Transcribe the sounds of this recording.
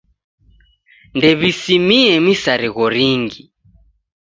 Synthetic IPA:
ndɛβisimiɛmisaɾiɣɔɾiŋɡi

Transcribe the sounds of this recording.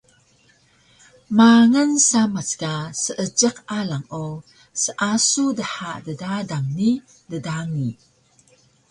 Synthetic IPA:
maŋənsamat͡skasəʔəd͡ʒəqalaŋo | səʔasudəħaʔdədadaŋni | dədaŋi

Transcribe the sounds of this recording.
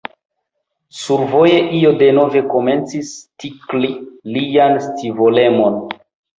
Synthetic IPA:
suɾvo̞jeʔio̞de̞no̞ve̞ko̞me̞nt͡sistiklilianstivole̞mo̞n

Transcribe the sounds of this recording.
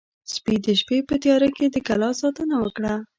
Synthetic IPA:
spid̪əʃpepət̪jɑɾaked̪əkalɑsɑt̪ənawəkɽa

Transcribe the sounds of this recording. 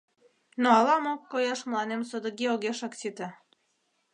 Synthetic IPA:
noɑlɑmokːojɑʃmlɑnemsod̪ə̆ɡioɣeʃɑksit̪ə

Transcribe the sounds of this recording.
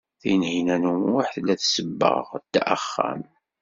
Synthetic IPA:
θæjənhinænumwaħθlːæθsəbːə̰ʁt̪ːʔə̰χːæ̰m

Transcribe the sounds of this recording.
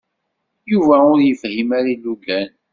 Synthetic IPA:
juvæʊɾjəfhimaɾilːuɡæn

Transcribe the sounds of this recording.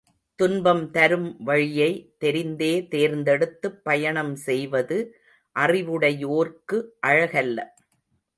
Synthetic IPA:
t̪ʊnbɐmt̪ɐɾɯmʋɐɻɪjɐɪt̪ɛɾɪnd̪eːt̪eːɾnd̪ɛɽɯt̪ːɯpːɐjɐɳɐmsɛjʋɐðɯ | ʔɐrɪʋɯɽɐjoːɾkɯʔɐɻɐɣɐlːɐ̰

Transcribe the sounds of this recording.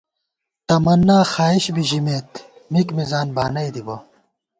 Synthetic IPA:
t̪ɐmɐnːaːxaːiɕbiʑimeːt̪mikmizaːnbaːnɐjd̪ibo

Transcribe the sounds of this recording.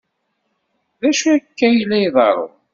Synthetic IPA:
ðæʃuækːæjlːæjðˤɑ̰ɾˤo̰

